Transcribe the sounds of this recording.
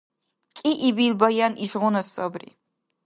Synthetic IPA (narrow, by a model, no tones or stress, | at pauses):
kʼiʔibilbɐjaniʒʁʷʊnɐsɔbrḭ